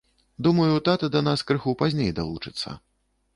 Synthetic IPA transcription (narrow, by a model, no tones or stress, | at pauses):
d̪umɐjut̪at̪ɨd̪ɐnaskɾɨxupazʲnʲejd̪alˠut͡ʂɨt̪sːɐ̰